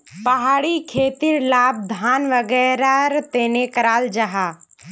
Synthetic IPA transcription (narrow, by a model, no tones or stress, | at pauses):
pɐɦaːɽikʰeːt̪ɪɾlaːb̚d̪ʱaːnʋəɡɛːɾaɾt̪eːnekəɾaːld͡ʒaɦaː